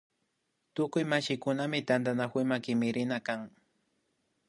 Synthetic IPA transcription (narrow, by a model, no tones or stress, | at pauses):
t̪ʊkʊjmaʃɪkʊnamɪt̪and̪anakʊjmakɪmɪɾɪnakaŋ